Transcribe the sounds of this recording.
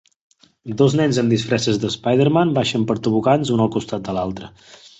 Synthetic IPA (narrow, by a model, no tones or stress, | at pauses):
d̪oznɛnzəmd̪isfɾɛsəzðəspajð̞əɾmanbaʃəmpəɾt̪əβukanzunəlˠkust̪at̪̚d̪əlalˠt̪ɾə